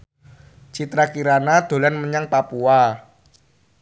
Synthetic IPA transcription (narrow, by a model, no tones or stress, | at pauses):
t͡ʃit̪ɾakiɾanad̪̥o̤lanməɲaŋpapua